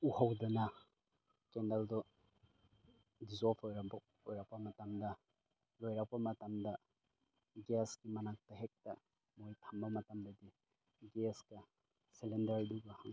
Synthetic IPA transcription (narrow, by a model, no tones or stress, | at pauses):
uhawdɐnɐ | kendaldɔ | dizolpʰojɾaba | ojɾak̚pɐmɐtamdɐ | lojɾak̚pɐmɐtamdɐ | ɡesɡimɐnak̚tɐɦek̚tɐ | mojtʰambɐmɐtamdɐdi | ɡesɡɐ | selendɐɾduɡahaŋ